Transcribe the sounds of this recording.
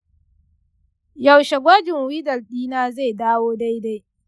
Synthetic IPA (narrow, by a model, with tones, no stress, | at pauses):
ja˨wʃɛ˨ɡʷa˦d͡ʒɪ˨ŋwi˦dɐ˨lɗiː˦naː˦za˦˨jdaː˦woː˦da˦jda˦j